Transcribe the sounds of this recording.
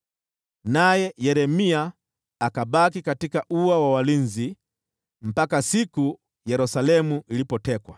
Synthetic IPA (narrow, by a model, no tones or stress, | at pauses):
najɛjɛɾɛmiaː | kabakikatikaʔuawawalinzi | m̩pakasiku | jɛɾusalɛmuʔilipɔtɛkwa̰